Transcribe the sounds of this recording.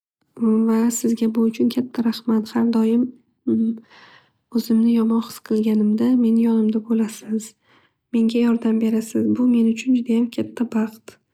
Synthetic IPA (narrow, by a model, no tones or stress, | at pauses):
vasɪzɡʲabʊʊt͡ʃʰʊnkʲʰat̪ʰːaɾaχmat̪haɾd̪ɒjɪm | ɵzɪmnɪjɒmɒnχɨ̥sqʰɨlˠɡʲanɪmd̪ame̞njɒnɪmd̪abolasɪz̥ | me̞ŋɡʲajɒɾd̪ambe̞ɾasɪzbʊme̞nʊt͡ʃʰʊnd͡ʒʊd̪ajamkʲʰat̪ʰːabɑqt̪